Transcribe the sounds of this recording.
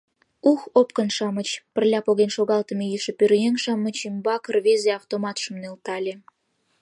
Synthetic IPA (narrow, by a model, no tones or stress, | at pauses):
uxop̚kə̆nʃɑmət͡ɕpərlʲɑpoɣenʃoɣɑlt̪ə̆mejyʃĕpørjeŋʃɑmə̆t͡ɕimbɑkərβezeɑft̪omɑt̪ʃə̆mnelt̪ɑlʲe